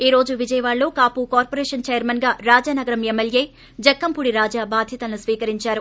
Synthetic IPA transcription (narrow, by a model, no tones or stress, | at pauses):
iːɾo̞ːd͡ʒuʋid͡ʒɐjɐʋaːɭlo̞ːkaːpukaːɾpoɾeːʂɐnt͡ʃeːjɐɾmɐnɡaːɾaːd͡ʒaːnɐɡɐɾɐmemːelje̞ː | d͡ʒɐkːɐmpuɽiɾaːd͡ʒaːbaːd̪ʱjɐt̪ɐlnusʋiːkɐɾiɲt͡ʃaːɾu